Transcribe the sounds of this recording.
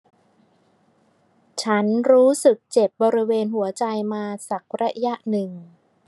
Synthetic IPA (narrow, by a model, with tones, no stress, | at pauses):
t͡ɕʰa˦˥nɾuː˦˥sɯ˨˩k̚t͡ɕe˨˩p̚bɔː˧ɾi˦˥weː˧nɦu˩˦ɐt͡ɕa˧jmaː˧sa˨˩k̚ɾa˦˥ʔja˦˥ʔnɯ˨˩ŋ